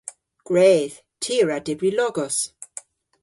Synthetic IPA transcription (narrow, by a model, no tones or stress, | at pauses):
ɡ̥ɹeːð | tʰiɹadɪbɹilɔɡɔs